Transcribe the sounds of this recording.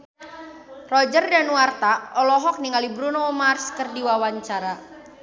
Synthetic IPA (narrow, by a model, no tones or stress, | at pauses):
rɔd͡ʒərdanwart̪aɔlɔɦɔk̚niŋalibɾunɔmarskərdiwawaɲt͡ʃaɾa